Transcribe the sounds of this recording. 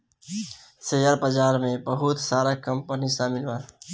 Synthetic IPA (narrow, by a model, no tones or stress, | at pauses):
seːjəɾbəd͡ʒaːɾmẽbəɦʊt̪saːɾakə̃mpənisaːmɪlʋa